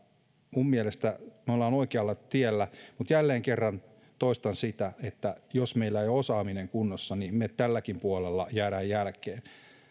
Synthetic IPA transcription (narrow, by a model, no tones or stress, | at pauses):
mummielest̪æmeolːɑːnoikeɑlːɑt̪ielːæmut̪jælːeːŋkerːɑn | t̪oist̪ɑnsit̪æet̪ːæjosmeilːæejosɑːmineŋkunːosːɑnimmet̪ælːækimpuolelːɑjæːɾæːjjælkeːn